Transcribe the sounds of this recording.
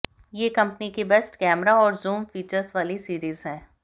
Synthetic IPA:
jeːkɐ̃mpnikebɛːsʈkɛːmɾaɔːɾzuːmfiːt͡ʃəɾsʋaːlisiːɾiːzɦɛ̃ː

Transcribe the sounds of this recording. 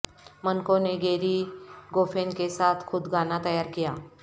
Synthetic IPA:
mənkõneɡeːɾiɡoːfʰeːnkesaːt̪ʰxʊd̪ɡaːnat̪ɐjaːɾkijaː

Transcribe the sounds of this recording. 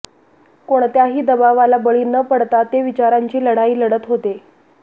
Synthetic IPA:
koɳt̪jaɦiːd̪əbaʋalabəɭiːnəpəɽt̪at̪eʋit͡ɕaɾaɲt͡ɕiːləɽaiːləɽət̪ɦot̪e

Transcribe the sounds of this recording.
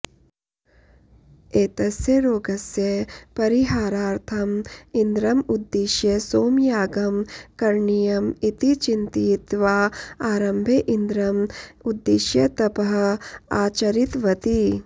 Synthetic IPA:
eːt̪ɐsjɐɾoːɡɐsjɐpɐɾiɦaːɾaːɾt̪ʰɐmind̪ɾɐmud̪ːeʃjɐsoːmjaːɡɐmkɐɾɳijɐmit̪it͡ʃint̪it̪ʋaːaːɾɐmbʱeʔind̪ɾɐmud̪ːeʃjɐt̪ɐpɐɦɐ̆aːt͡ʃɐɾit̪ʋɐt̪i

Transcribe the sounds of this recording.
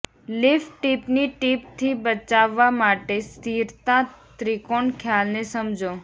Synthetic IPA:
lifʈipniʈip̚t̪ʰibət͡ʃaʋːamaʈest̪iɾt̪ãt̪ɾikoɳkʰjalnesəmd͡ʒo

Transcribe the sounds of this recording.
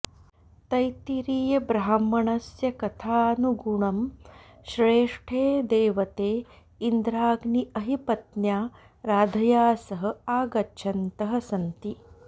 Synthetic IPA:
t̪ɐjt̪iɾiːjɐbɾaɦɐmːɐɳɐsjɐkɐt̪ʰaːnuɡuɳɐm | ʃɾeːʂʈʰeːd̪eːʋɐt̪eː | ind̪ɾaːɡniɐɦipɐt̪njaː | ɾaːd̪ʱɐjaːsɐɦɐ̆aːɡɐtːʃʰɐnt̪ɐɦɐ̆sɐnt̪i

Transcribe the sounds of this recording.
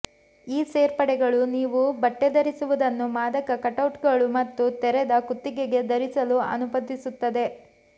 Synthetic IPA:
iːseːɾpɐɽɛɡɐɭuniːʋubɐʈːed̪ɐɾisuʋud̪ɐnːumaːd̪ɐkɐkɐʈɐwʈɡɐɭumɐt̪ːut̪ɛɾɛd̪ɐkut̪ːiɡeɡe̞d̪ɐɾisɐluɐ̰nubɐd̪ːisut̪ːɐd̪e̞

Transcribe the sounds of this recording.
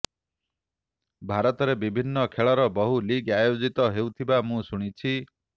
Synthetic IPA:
bʱaɾɔt̪ɔɾebibʱinːɔkʰeɭɔɾɔbɔɦuliɡajod͡ʒit̪ɔɦewt̪ʰibamũsuɽ̃it͡ʃʰi

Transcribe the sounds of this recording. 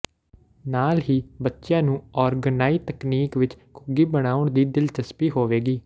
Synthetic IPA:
naːlɦiːbətːʃjãːnũːɔːɾɡənaːiːt̪əkniːkʋɪt͡ʃkʊɡiːbəɽ̃aːʊɳd̪iːd̪ɪlt͡ʃəspiːɦoːʋeːɡiː

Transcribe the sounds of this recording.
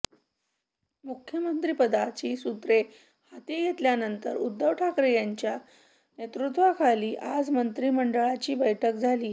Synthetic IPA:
mukʰjəmənt̪ɾiːpəd̪at͡ɕiːsut̪ɾe | hat̪ejet̪ljanənt̪əɾud̪ːəʋʈʰakɾejaɲt͡ɕja | net̪ɾut̪ʋakʰaliːʔad͡zmənt̪ɾiːməɳɖəɭat͡ɕiːbəjʈʰək̚d͡zʱaliː

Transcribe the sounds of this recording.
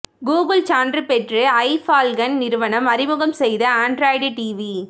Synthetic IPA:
ɡuːɡɐlt͡ʃaːnɖrɯpɛʈrɯɐɪfaːlɡɐnnɪɾɯʋɐnɐmɐɾɪmɯɣɐmsɛjðɐaːɳɖɾaːjɖɯʈiːʋi

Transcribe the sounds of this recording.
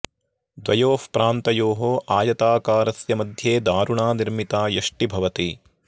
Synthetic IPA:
d̪ʋɐjoːfpɾaːnt̪ɐjoːɦoːʔaːjɐt̪aːkaːɾɐsjɐmɐd̪ʱjeːd̪aːɾuɳaːniɾmit̪aːjɐʂʈibʱɐʋɐt̪i

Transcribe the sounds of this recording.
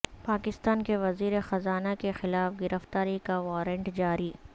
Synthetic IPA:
paːkɪst̪aːnkeʋɐziːɾexɐzaːnakexɪlaːfɡɪɾəft̪aːɾikaʋaːɾə̃ɳʈd͡ʒaːɾiː

